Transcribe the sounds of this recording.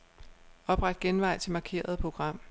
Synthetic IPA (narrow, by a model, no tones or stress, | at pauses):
ɒ̽b̥ʁɑ̈d̥̚ɡ̥enʋɑ̈ɪ̰t͡sʰe̝mɑ̈kʰe̝̰ːɐð̞ˠpʰʁo̝ɡ̥ʁɑ̈m̰